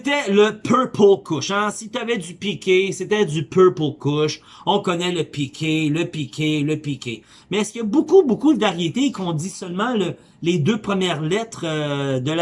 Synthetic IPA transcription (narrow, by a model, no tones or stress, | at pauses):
set̪ɛləpʰɛpʰokʊʃɛ̃sit̪yavɛd̪ypikʲeset̪ɛd͡z̪ypøpokʊʃ | ɔ̃kɔnɛləpikʲʰeləpikʲʰeləpikʲe | mɛskʲjɐbokubokud̪vaʁjet̪ekɔ̃d̪isœlmɑ̃lə | led̪øːpχəmjɛːʁlɛt̪χəd̪əl